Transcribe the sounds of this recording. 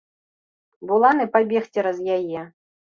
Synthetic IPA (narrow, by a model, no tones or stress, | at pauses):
bulˠanɨpabʲɛxt͡sʲɛɾɐzjajɛ